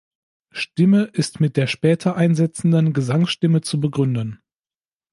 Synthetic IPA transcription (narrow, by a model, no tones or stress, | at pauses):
ʃtɪməʔɪstmɪt̚d̥eːɐʃpɛːtʰɐʔaɪnzɛt͡sn̩dənɡəzaŋsʃtɪmət͡subəɡʁʏndɐn